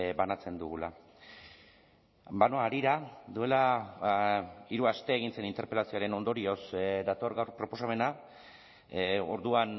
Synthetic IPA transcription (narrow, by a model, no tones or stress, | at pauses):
banat͡se̞nd̪uɣula | banoaːɾiɾad̪ue̞la | iɾuast̪e̞ːɣ̞inse̞nint̪e̞ɾpe̞lasio̞aɾe̞no̞nd̪o̞ɾio̞sd̪at̪o̞ɾɣawrpɾo̞po̞same̞na | o̞ɾðuan